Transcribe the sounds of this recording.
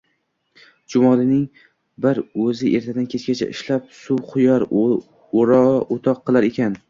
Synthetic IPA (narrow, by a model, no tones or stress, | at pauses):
d͡ʒʊmɒlˠɪnɪŋ | bɪɾɵzɪʔe̞ɾt̪ʰad̪ankʲʰet͡ʃkʲat͡ʃʰa̰ʔɪ̰ʃlap̚suwqʰʊjɒɾ | oɾɒot̪ʰɒqʰːɨlˠaɾekʲan